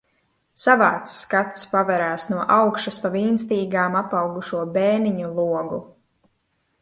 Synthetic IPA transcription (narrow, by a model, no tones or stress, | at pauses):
savaːt̪skat̪spavɛɾaːsnuɔʔawkʃaspaviːnst̪iːɡaːmapawɡuʃuɔbɛːniɲulˠuɔɡu